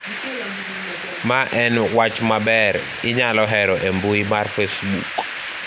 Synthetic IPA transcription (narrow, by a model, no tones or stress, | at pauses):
maʔɛnwat͡ʃmabɛɾ | ɪɲalɔɦɛɾɔʔembuimarfesbṵk